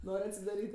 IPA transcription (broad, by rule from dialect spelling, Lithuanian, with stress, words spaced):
ˈnoːrʲ ɐtʲsʲɪdɐˈrʲiːtʲ